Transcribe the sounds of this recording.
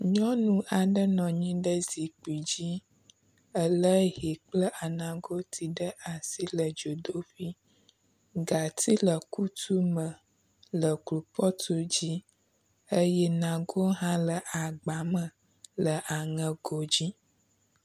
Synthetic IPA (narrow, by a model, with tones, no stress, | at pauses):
ɲɔ̃˦nũ˦ʔa˨ɖə˦nɔ̃˨ɲĩ˦ɖə˦zi˨k͡pi˨d͡ʑi˦ | ə˦lə˦ɦi˨k͡plə˦ʔa˨nã˨ɡo˦t̪ʰi˨ɖə˦ʔa˨si˦lə˨d͡ʒo˨d̪o˦fi˦ | ɡa˨t̪i˦lə˨ku˦t̪u˦mə̃˨ | lə˨klu˨pɔ˦t̪u˦d͡ʑi˦ | ə˦jɛ˦nã˨ɡo˦ɦã˦lə˨ʔa˨ɡ͡ba˨mə̃˨ | lə˨ʔa˨ŋə̃˨ɡo˨d͡ʑi˦